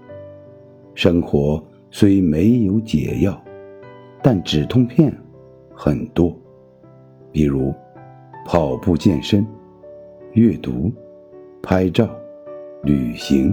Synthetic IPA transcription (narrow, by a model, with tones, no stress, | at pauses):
ʂɤ˥ŋxwɔ˧˥ | swe˥ɪme˧˥ɪjo˧˥ʊt͡ɕjɛ̰˨˩jɑ˥˩ʊ | t̪a˥˩nʈ͡ʂɻ̩˨˩t̪ʰʊ˥ŋpʰjɛ˥˩n | xə˨˩nt̪wɔ˥ | pi˨˩ɻu˧˥ | pʰɑ˨˩ʊpu˥˧t͡ɕjɛ˥˩nʂə˥n | ɥɛ˥˩t̪u˧˥ | pʰa˥ɪʈ͡ʂɑ˥˩ʊly˨˩ɕi˧˥ŋ